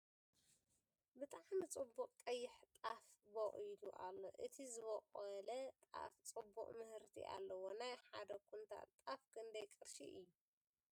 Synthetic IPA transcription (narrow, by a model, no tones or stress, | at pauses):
bɨt̪ʼaʕmit͡sʼɨbːuqʼk̪ʼɐjːɪħt̪ʼafbɐχʼiluʔalːo̞̰ʔɨt̪ʰizɨβɐqʼɐlɐt̪ʼa̰ft͡sʼɨbːṵqʼmɨhɨɾt̪ʰḭʔa̰lːɐwo̞najħad̪ɐkʰunt̪ʰa̰t̪ʼafkʰɨnd̪ɐjkʼɨɾʃḭʔɨjːu